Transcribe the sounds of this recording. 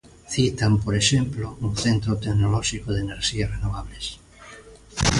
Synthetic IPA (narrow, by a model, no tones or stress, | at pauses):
θit̪ampoɾeʃemplouθent̪ɾot̪eknolɔʃikoðeneɾʃiarenoβ̞aβles